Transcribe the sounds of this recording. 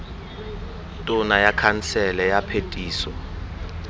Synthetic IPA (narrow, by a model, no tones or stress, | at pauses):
tʼʊnajakʰansɛlɛjapʰetʼiːsɔ